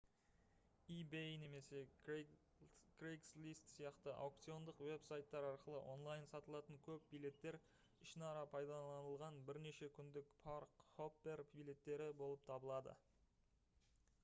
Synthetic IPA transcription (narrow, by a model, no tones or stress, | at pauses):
ibejne̞me̞se̞ | krejkslʲist̪sijɑqt̪əʔa̰wk̚t̪sio̞nd̪əqwe̞psajt̪ːɑɾɑɾqəlˠə̰ʔo̞̰nlˠɑjənsɑt̪əlˠɑt̪əŋkʲʰɵp̚bijle̞t̪ːe̞ɾ | ɪʃɪnɑɾɑpʰɑjd̪ɑlˠɑnəlˠʁɑnbɪɾne̞ʃe̞kʲʰʏnd̪ɪkpʰaɾkχo̞pːe̞rpijlʲˠe̞t̪ːe̞ɾɪbo̞lˠəp̚t̪ʰɑbəlˠɑd̪ə̰